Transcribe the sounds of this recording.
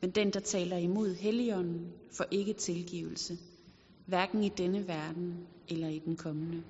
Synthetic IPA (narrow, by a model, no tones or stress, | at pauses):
mend̥end̥ɑ̈t͡sʰɛ̰ːlɐimo̝ð̞̰ˠɦeliɒ̽nn̩fɒʔe̝ɡ̥ət͡sʰe̝lɡ̥ḭːʊl̩sə | ʋæɐɡ̥n̩id̥enəʋæɐd̥n̩elɐid̥enkʰɒ̽mənə